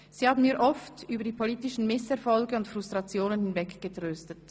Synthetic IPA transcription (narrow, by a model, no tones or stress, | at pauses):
z̥iːhaːbn̩miːɐʔɔftyːbɐdiːpʰoliːtɪʃn̩mɪsɛɐfɔlɡəʊntfʁ̥ʊstʁ̥ɑt͡sjoːnənhɪnvɛkɡ̥ətʁ̥øːstət